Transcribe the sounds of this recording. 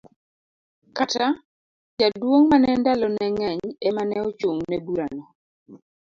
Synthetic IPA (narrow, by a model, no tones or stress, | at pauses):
kata | d͡ʒadwoŋmanɛndalɔnɛŋɛɲɛmanɛot͡ʃoŋnɛbuɾanɔ